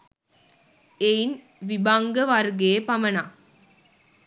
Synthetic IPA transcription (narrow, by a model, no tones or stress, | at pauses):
ejn | ʋɪbaŋɡɐʋɐɾɡeːpɐmɐna